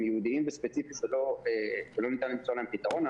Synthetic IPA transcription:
mjeud̪iimbespet͡sifiʃelo̞eʃelo̞nit̪animbe̥t͡suʁalaempit̪aʁo̞na

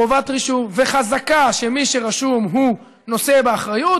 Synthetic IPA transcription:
ovat̪ʁiʃuveχazakaʃemiʃeʁaʃumɦu | no̞sebeaχʁaju

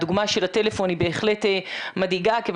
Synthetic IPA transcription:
duɡmaʃe̞late̞lefo̞nibe̞ːχle̞temadiɡakev

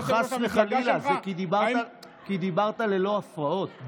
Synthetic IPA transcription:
χasveχalilazekid̪ibaʁa | kid̪ibaʁt̪ale̞lo̞afʁao̞t̪

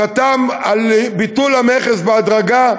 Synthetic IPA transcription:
at̪amalbit̪ulameχesbead̪ʁaɡa

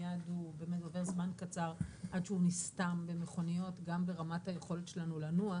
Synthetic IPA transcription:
jadubemedave̞ʁzmankat͡saʁʔadʃeunistambe̞meχo̞nijo̞tɡambe̞ʁamathaje̞χo̞letʃe̞lanulanua

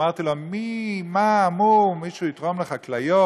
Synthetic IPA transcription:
aʁt̪ilomimaːmumiʃuːit̪ʁomleχaklajo

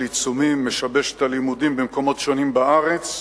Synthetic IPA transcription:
lit͡sumimːeʃabe̞ʃe̥talimud̪imbemko̞mo̞tʃo̞nimbaaʁet͡s

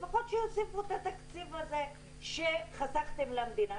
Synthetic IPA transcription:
faχot̪ʃejosivut̪at̪akt͡sivaze̞ | ʃeχazaχt̪e̞mlamd̪ina

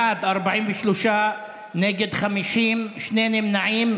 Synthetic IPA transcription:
ad̪ʔaɾbaʕiːmbeʃloʃa | neːɡed̪χamiʃiːmʃneːnɪmnaʕiːm

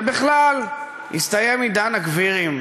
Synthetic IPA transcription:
biχlal | ḭst̪ajemid̪anakviʁim

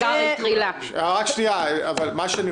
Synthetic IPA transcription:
at̪ʁila | aʁakʃniaavalmaʃeani

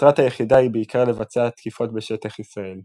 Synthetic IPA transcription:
t̪ʁat̪ajeχidaibeikʰaʁle̞vat͡seat̪kifo̞tbeʃe̞t̪aχisʁae̞l

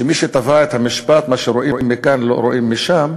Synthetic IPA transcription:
ʃemiʃet̪avaet̪hamiʃpat̪maʃeɾoʔiʔimːikanlo̰ɾoʔimːiʃam

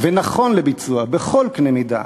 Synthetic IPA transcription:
venaχo̞nlebit͡suabeχo̞lknemid̪a̰

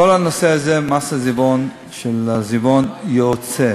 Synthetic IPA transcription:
olanoseazemasazibon | ʃelazibonjot͡se

